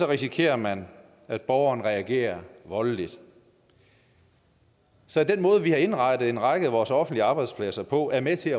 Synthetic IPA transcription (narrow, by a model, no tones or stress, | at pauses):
ɒ̽ʁisikʰe̝̰ːɐmæn | æd̥̚b̥ɒʊɐn̩ʁɛæɡ̥e̝̰ːɐʋɒ̽llid̥ | sɒ̽d̥enmɔ̽ːð̞̩ˠʋihɑ̈e̝nʁɑ̈ɪd̥ð̩ˠe̝nʁɑ̈ɡ̥əðˠʋɒːsɒ̽fn̩d̥liəɑ̈ːb̥ɑ̈ɪd̥spʰlæsɐpʰɒ̽æɐmet͡sʰe̝æ